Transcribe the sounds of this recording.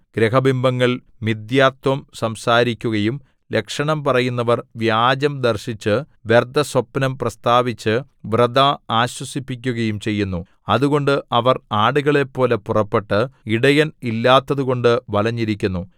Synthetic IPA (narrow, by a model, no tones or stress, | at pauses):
ɡ̥ɾeɦɐbimbʱɐŋːɐɭ | mid̪jaːt̪wɐmsɐmsaːɾikʲːuɣɐjum | le̞kʂɐɳɐmpɐrɐjunːɐʋɐrʋjaːd͡ʑɐmd̪ɐrɕit͡ɕːɨ | ʋe̞rd̪ʱɐswɐpːnɐmprɐst̪aːʋit͡ɕːɨ | ʋrɐd̪aaːɕwɐsipːikʲːuɣɐjumt͡ɕe̞jːunːu | ɐðuɣo̞ɳɖɨʔɐʋɐraːɽuɣɐɭe̞pːo̞ːlepurɐpːe̞ʈːɨiɽɐjɐnilːaːt̪ːɐðuɣo̞ɳɖɨʋɐlɐɲːiɾikʲːunːu